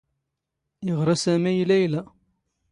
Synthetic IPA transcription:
jəʁɾˤɑsæmæjlæjlæ

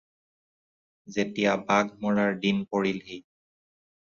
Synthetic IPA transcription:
zetijabaɡʱmɔɹaɹdinpoɹilhi

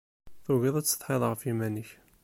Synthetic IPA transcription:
θuɣiðˤæt͡sːə̥θħeðˤʁəfimænəç

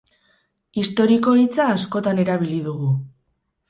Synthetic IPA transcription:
ist̪o̞ɾiko̞it͡saːsko̞t̪ane̞ɾaβ̞iliðuɣu

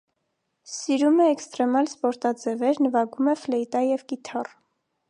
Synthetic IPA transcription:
siɾumɛːkst̪ɾɛmɑlspɔɾt̪ɑd͡zɛvɛɾnəvɑɡumɛflɛit̪ɑjɛvkit̪ʰɑr

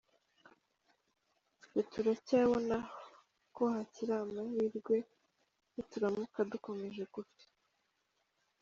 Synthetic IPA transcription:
otuɾacaːβona | kohaciɾamajiːɾɡwe̞ | jotuɾamukaduko̞me̞ʒe̞kuf

